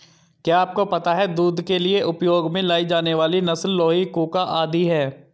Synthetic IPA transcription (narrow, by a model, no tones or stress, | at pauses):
kjaːp̚kopɐt̪aɦɛd̪uːd̪kelieʔʊpjoːɡmẽlaːid͡ʒaːneʋaːlinɐsəlːɔːɦikuːkaʔaːd̪iɦɛː